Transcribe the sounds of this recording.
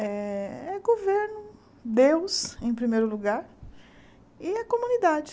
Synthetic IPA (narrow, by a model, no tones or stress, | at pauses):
ɛɛɡoveɾnʊ | d̪ewsẽj̃pɾimejɾʊluɡaɾ | iɐkõmũnid̪ad͡ʒɪ